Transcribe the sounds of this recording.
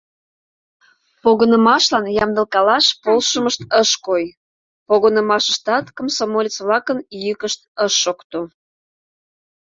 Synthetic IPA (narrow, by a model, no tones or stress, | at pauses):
poɣənəmɑʃlɑnjɑmd̪ə̆lkɑlɑʃpolʃəməʃt̪əʃkoj | poɣənəmɑʃəʃt̪ɑt̪komsomolʲet͡sβlɑkənjykəʃt̪̚əʃːokt̪o